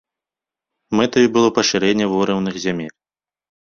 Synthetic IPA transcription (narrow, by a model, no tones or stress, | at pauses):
mɛt̪ɐvʲibɨlˠɔpɐʂɨɾɛnʲːɛvɔɾɛwnɨxzʲamʲelʲ